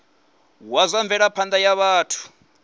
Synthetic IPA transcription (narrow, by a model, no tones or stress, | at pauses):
wazʷaɱvɛɺapʰand̪ajaβaːtʰu̥